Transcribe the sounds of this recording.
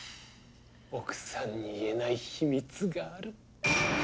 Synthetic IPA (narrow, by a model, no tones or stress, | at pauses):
okɯ̟̥sãɲ̟ːiːe̞naiçimʲit͡sɨɡaːɾɯ̟